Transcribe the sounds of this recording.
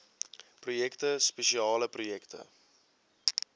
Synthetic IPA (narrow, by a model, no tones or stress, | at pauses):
prujɛktəspeʃiɑːləprujɛktə̰